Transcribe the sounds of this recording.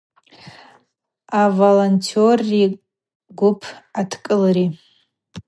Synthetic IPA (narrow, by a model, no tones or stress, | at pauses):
avolontʰiori | ɡʷʊpʰatʰkʼɨlɾi